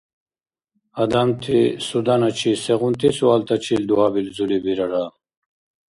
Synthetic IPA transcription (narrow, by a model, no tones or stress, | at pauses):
ad̪amt̪ʰisud̪anat͡ɕʰiseʁunt̪ʰisualt̪ʰat͡ɕʰild̪uabild͡zulibiɾaɾa